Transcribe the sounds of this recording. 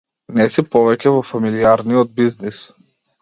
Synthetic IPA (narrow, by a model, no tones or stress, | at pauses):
nɛsipɔvɛcɛvɔfamiliaɾniɔd̪̚biznis